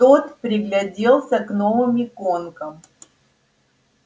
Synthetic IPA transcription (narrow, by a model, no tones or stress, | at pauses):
t̪ot̪pɾʲɪɡlʲɐdʲelˠsʲəknovɨmʲikonkəm